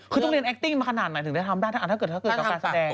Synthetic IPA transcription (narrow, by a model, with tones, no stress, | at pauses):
kʰɯ˧t̪ɔ˥˩ŋɾi˧ənʔɛ˦˥t̪i˥˩ŋmaː˧kʰa˧naː˨˩t̪̚na˨˦jt̪ɯ˩˦da˥˩t̪ʰa˧mdaː˥˩t̪ʰa˥˨˩ɤː˨˩t̪̚ʰa˥kːɤ˨˩˧kaː˧nsa˧dɛː˧ŋ